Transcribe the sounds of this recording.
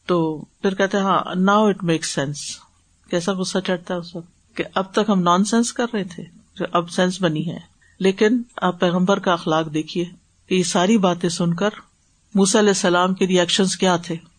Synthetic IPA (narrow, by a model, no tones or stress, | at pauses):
t̪oːpʰɪɾkɛɦt̪eɦã̰ːnaːʊɪʈmeːksːɛ̃ns | kɛːsaɣʊsːat͡ʃɐɽt̪aɦɛʊsɐb | keʔɐb̚t̪ɐkɦɐmnɔːnsɛ̃nskɐɾːɐɦet̪ʰe | d͡ʒoːʔɐbsɛ̃nsbɐniɦɛ̰̃ː | leːkɪnɐpːɛːɣə̃mbəɾkaɐxlaːqd̪eːkʰieː | kejesaːɾibaːt̪ẽsʊnkəɾ | muːsaɐlɛːsːɐlaːmkeɾiɛːkʃə̃nzkjaːt̪ʰeː